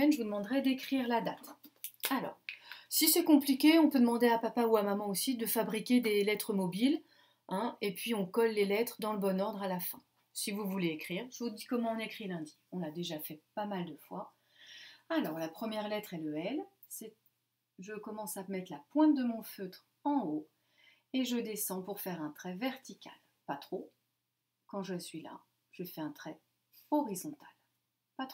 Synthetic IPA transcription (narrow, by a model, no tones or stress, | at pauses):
ɛnʒəvud̪əmɑ̃d̪ʁɛd̪ekχiʁlad̪at̪alɔ̰ːʁsisɛkɔ̃plikʲeɔ̃pød̪əmɑ̃d̪eapapauamamɑ̃osid̪əfabʁikʲed̪elɛt̪χəmɔbil | ɛ̃epɥiɔ̃kɔlːelɛt̪χəd̪ɑ̃ləbɔnɔʁd̪ʁalafɛ̃ | sivuvuleːkχiːʁʒ̥əvud̪ikɔmɑ̃ɔ̃nekχilɛ̃d̪iɔ̃nad̪eʒafɛpamald̪əfwa | alɔʁlapχəmjɛʁlɛt̪χɛləɛl | sɛ | ʒəkɔmɑ̃samɛt̪χlapwɛ̃t̪̚d̪əmɔ̃føt̪χ | ɑ̃o | eʒəd̪esɑ̃puʁfɛʁɛ̃t̪χɛvɛʁt̪ikʲa̰l | pat̪χo | kɑ̃ʒəsɥila̰ | ʒ̥əfɛɛ̃t̪χɛ | ɔʁizɔ̃t̪al | pat̪χ